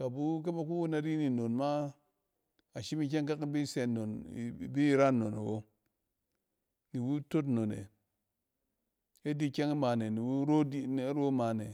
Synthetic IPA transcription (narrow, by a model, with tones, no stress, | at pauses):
ka˨bu˦k̬e˦ma˨ku˦wu˦na˨ɾi˦ni˨no˨nma˦ | a˨ʃi˦mi˦k̬e˦ŋk̬a˦ki˦bi˦se˨no˨n˨bi˦˨ɾa˦nːo̰˨n̰˨wo˦ | ni˨wu˦to˦tno˨nḛ˨ | e˦di˦ke˦ŋi˦ma˨ne˨ni˨wu˦ɾo˦di˦n˨˦ɾo˦ma˨ne˨